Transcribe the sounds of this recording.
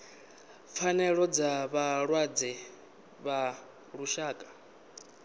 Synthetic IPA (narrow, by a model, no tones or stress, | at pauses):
p̪fʰanɛɺɔd͡zaβaɺwad͡zɛ | βa | ɺuʃaːkʼḁ